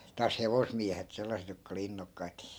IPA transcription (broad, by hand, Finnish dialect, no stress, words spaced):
tɑːs heʋosmiæhet selːɑset jokːɑ oli inːokːɑit